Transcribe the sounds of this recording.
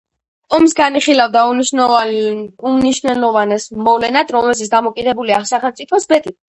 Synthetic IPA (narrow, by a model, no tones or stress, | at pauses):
ɔmsɡaniχilavd̪auniʃ | uniʃnɛlɔvanɛsmɔvlɛnad̪ɾɔmɛlʃ̬it̪sʰd̪amɔkʼid̪ɛbuliaχsaχɛlmt̪sʼipʰɔsbɛt̪ʼi